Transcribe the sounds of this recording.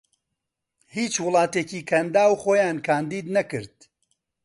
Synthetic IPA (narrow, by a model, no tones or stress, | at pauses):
hiːt͡ʃwʊlˠɑːt̪eːciːkʰɐnd̪aːwχoːjaːnkʰaːnd̪iːd̪nɐkɨɾd̪̥̚